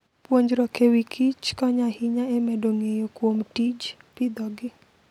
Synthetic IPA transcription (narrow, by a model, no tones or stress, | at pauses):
pwoɲd͡ʒɾɔkewikʰit͡ʃkɔɲahiɲaemɛdoŋejokwomtid͡ʒpɪd̪ɔɡɪ